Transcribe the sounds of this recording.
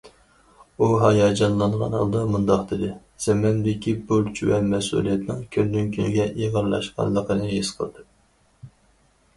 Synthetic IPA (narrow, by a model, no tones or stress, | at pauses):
uɦɑjɑːd͡ʒɑnlˠɑɴʁɑ̰nhɑ̰lˠd̪ɑmund̪ɑqd̪ɪd̪ɪ | z̥ɛmɛmd̪ɪkʲibuɾt͡ʃʰwɛmɛsṵlˠijɛt̪nɪŋkʲʰønd̪ynkʲʰynɪɡʲɛʔeʁəɾlˠɑ̰ʃqɑ̰nlˠəqənɨɦisqʰə̰lˠd̪ɨ